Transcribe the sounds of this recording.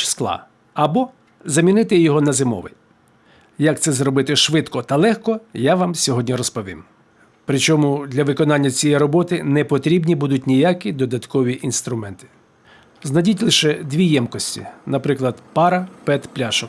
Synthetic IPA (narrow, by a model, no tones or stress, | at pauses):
sklˠɑ̰ | ɐbɔ | zɐmʲinɪt̪ɪjɔɦɔnɐzɪmɔ̰ʋɪ̰ | jɐk̚t̪sɛzɾɔbɪt̪ɪʃʋɪt̪kɔt̪ɐlˠɛxkɔjaʋamsʲɔɦɔdʲnʲiɾɔspɔʋʲḭm | pɾɪt͡ʃɔmud̪lʲɐʋɪkɔnɑnʲːɐt͡sʲijɛjɾɔbɔt̪ɪnɛpɔt̪ɾʲibnʲibud̪ʊt̚ʲnʲijakʲid̪ɔd̪ɐt̪kɔʋʲiʔinst̪ɾʊmɛnt̪ɪ̥ | znɐdʲitʲlˠɪʃɛd̪ʲʋʲijɛmkɔsʲtʲḭnɐpɾɪklˠɐd̪pɑɾɐpɛt̪plʲaʃɔk